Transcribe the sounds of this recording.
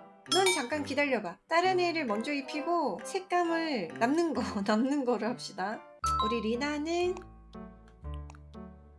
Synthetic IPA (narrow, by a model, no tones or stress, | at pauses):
nʌnt͡ɕamk͈ankidaʎːʌbat͈aɾɯneɾɯɭmʌnd͡ʑʌipʰiɡosʰek̚k͈amɯɭnamnɯnɡʌnamnɯnɡʌɾɯɭap̚ɕ͈ida | uɾiɾinanɯ